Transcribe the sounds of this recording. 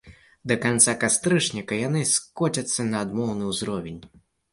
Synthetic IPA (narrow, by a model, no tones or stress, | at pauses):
d̪ɐkant̪sakast̪ɾɨʂnʲikɐjanɨskɔt͡sʲɐt̪sːɐnɐːd̪mɔwnɨwzɾɔvʲenʲ